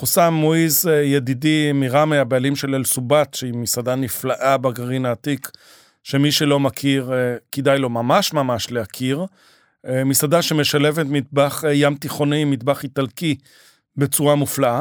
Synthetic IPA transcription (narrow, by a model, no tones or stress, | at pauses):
χosammːoizejed̪idimiʁameabealimʃe̞lelsubat̪ʃeimisad̪aniflaʔabaɡaʁinaːt̪ik | ʃemiʃelo̞makʰiʁkid̪ajlo̞mamaʃmamaʃleakʰiʁ | misadaʃemeʃale̞vet̪mid̪baχjamt̪iχo̞nimid̪baχit̪alki | bet͡suʁamuflaa